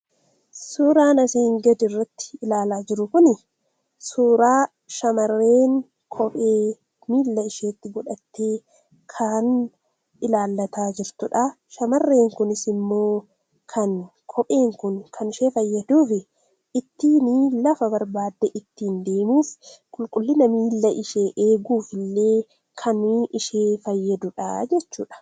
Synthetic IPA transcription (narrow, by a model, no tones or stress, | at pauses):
suːɾaːnɐsiːŋɡɐd̪ɪrːɐt̪ːɪ̥ɪlaːlaːd͡ʒɪɾʊkʊnɪ | suːɾaː | ʃɐmɐrːeːŋ | kʰɔpʼeː | miːlːɐɪʃeːt̪ːɪɡɔᶑɐt̪ːeː | kʰaːn | ɪlaːlːɐt̪aːd͡ʒɪɾt̪ʊᶑɐ | ʃɐmɐrːe̞ːŋkʊnɪsɪmːo̞ː | kʰɐnkʰɔpʼe̞ːŋkʊnkʰɐnɪʃe̞ːfɐjːɐd̪uːfɪ | ɪt̪ːiːnɪlɐfɐbɐɾbaːd̪ːɛʔɪt̪ːiːnd̪e̞ːmuːfkʼʊlkʼʊlːɪnɐmiːlːɐʔɪʃeːʔeːɡuːfɪlːe̞ː | kʰɐnːʔɪʃeːfɐjːɐd̪ʊᶑɐ̰d͡ʒɛt͡ʃːuːᶑɐ̥